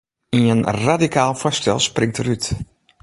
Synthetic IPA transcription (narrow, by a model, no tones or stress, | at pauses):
iənradikʰaːlˠfɔstɛ̰lˠsprɪŋtəryt